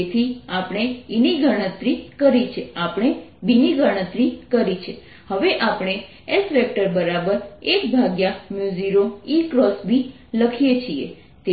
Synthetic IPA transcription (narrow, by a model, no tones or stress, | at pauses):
et̪ʰiapɳ̃einiɡʱəɽ̃ət̪ɾikəɾit͡ʃʰeapɳ̃ebiniɡʱəɽ̃ət̪ɾikəɾit͡ʃʰe | həʋeʔapɽ̃e | esʋɛk̚ʈəɾbəɾabəɾek̚bʱaɡjamjuziɾoikɾɔsbi | ləkʰijet͡ʃʰiḛ | t̪e